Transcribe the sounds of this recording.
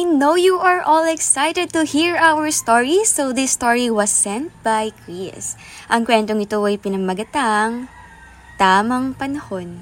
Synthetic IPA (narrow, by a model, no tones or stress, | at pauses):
ajnowjuʔɐɹʔɔlɛksajt̪ɛd̪̚t̪uhiɹʔawəɹst̪ɔɹisowðɪst̪ɔɹiwɐsːɛ̃nt̪̚bajkɹis | ʔɐŋkwɛnt̪oŋɪt̪oɐjpɪnɐɡmɐɡɐt̪aŋ | t̪aːmɐŋpɐnɐhon